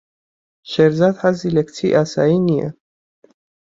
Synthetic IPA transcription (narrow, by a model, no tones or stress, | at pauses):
ʃɛɾzat̪ħazilɛkt͡sʰiʔasainiɛ̰